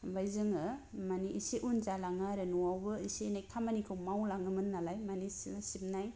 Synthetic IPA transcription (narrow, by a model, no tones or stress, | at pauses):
bajzɯŋɯmaniʔisiʔunzalaŋaɾɯnuawbɯisenajkʰamanikʰɯwmawlaŋɯmɯnːalajmanissip̚naj